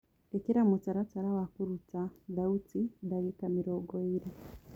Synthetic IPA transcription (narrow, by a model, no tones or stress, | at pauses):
ekiɾamut͡saɾat͡saɾawakuɾut͡saðautidaɣikamiɾoɡoiɾe